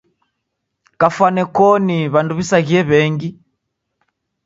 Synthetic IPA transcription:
kafwanɛkɔniβanduβisaɣiɛβɛŋɡi

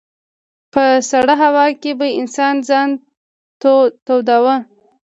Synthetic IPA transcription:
pəsaɽəɦawɑkebaɪnsɑnzɑn | t̪t̪owd̪awə

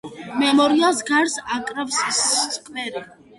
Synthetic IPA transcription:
mɛmɔɾiasɡaɾsakʼɾavsst̪sʼkʼmɛɾi

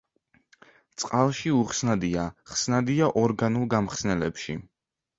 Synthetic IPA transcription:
t̪sʼqʼalˠʃiuχsnad̪iaχsnad̪iaʔɔɾɡanulˠɡamχsnɛlɛpʃi

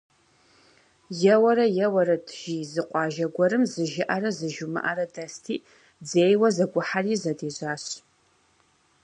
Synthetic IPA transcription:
jɛwɐɾɐjɛwɐɾɐdʰʒizɨqʷʼɑːʒɐɡʷɔɾɨmzɨʒɪʔaɾɐzɨʒumɨ̰ʔarɐdɐstʰiː | d͡zeːjwɐzɐɡʷʊħariːzɐdeːʑaːɕ

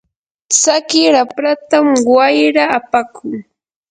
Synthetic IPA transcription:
t͡sakɪɾapɾat̪amwajɾaːpakʰʊŋ

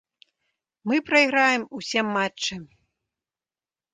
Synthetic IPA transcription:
mɨpɾɐiɣɾajɛmusʲɛmːatːɨ

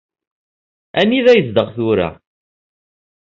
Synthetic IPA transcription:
æniðæjəzd̪əʁθuɾæ̰

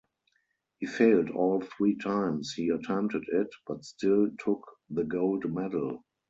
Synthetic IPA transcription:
hiːfeɪldɔːlθɹiːtʰãɪ̃mshiːətʰɛ̃mptədɪtb̥atstɪltʰʊk | ðəɡoʊldmɛdl̩

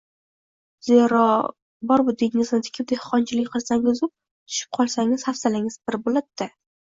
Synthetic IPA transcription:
zeɾɒ | bɒɾbʊd̪eŋɪŋɪznɪt̪ʰɪ̥kʲʰɪp̚d̪ehqɒnt͡ʃʰɪlɪkʲqʰɨlˠsaŋʊzɪp̚ | t̪ʰʊ̥ʃɪ̥p̚qʰɒlˠsaŋɪz̥hafsalɪŋɪz̥bɪɾbolɪt̚t̪ːɪ

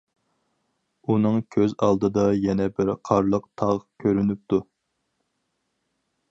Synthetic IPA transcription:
unɨŋkʲʰøzɑ̰lˠd̪ɨd̪ɑjɛnɛbɪɾqʰɑɾlˠəq̚t̪ʰɑʁkʲʰøɾynyp̚t̪u

